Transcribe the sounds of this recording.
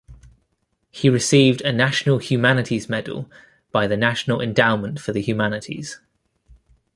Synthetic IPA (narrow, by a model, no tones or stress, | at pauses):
hiɹɪsiːvdənaʃənəlˠhjʉːmanɪtʰizmɛdə̰l̩ˠ | b̥aɪðənaʃənəlɛ̰̃ndãʊə̃nmə̃ntfəðəhjʉːmanɪtʰḭz̥